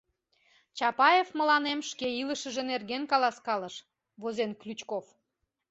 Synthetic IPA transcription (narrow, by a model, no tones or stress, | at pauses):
t͡ɕɑpɑjefmə̆lɑnemʃkeiləʃəʒenerɣenkɑlɑskɑləʃ | βozenklʲyt͡ɕkof